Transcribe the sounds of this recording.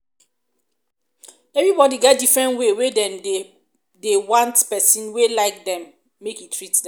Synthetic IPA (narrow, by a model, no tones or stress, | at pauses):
ɛvɹibɔdiɡɛt̚difɹɛ̃ntwewedɛ̃m | dewãntpɛsĩnwelaɪk̚dɛ̃mː | ekitʰːɹitdɛ̃